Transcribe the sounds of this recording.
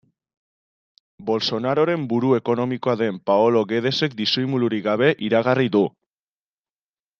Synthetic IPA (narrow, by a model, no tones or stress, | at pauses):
bo̞lso̞naɾo̞ɾe̞mbuɾue̞ko̞no̞miko̞aðe̞mpaolo̞ɣe̞ð̞e̞se̞kd̪isojmuluɾiɣaβ̞e̞ʔiɾaɣ̞ariðu